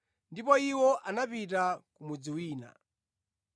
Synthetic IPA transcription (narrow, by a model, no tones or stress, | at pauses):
ndipɔiwɔʔanapitakumud͡ziwiːna̰